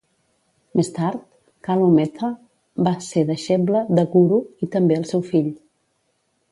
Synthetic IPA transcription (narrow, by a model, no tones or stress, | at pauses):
mest̪aɾt̪̚ | kalomɛt̪ʰa | baseðəʃɛbləðəɣuɾuit̪əmbeəlˠsɛwfiʎ